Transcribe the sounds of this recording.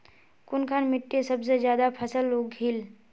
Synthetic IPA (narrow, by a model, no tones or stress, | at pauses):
kʊnkʰanmɪʈːesɐbsezjaːd̪apʰəsəlːoːɡɦil